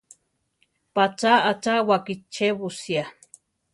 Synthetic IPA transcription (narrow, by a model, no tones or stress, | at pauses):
pat͡saat͡ʃawakit͡ʃːeβusja